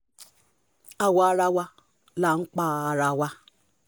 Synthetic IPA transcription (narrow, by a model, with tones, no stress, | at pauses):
a˨wa˨˦ɾa˦wa˦ | la˨ŋ̩˦k͡pa˦˨a˨ɾa˨wa˦